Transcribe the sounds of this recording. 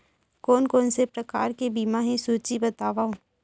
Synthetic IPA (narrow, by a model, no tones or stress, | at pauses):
kɔːnkoːnsepɾɐka̰ːɾkebiːmaɦẽsuːt͡ʃibɐt̪aːʋaõ